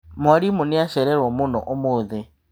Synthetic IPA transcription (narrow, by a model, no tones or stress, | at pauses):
mwaɾimunɪaʃɛɾɛɾwɔmunɔ̰ʔomoðɛ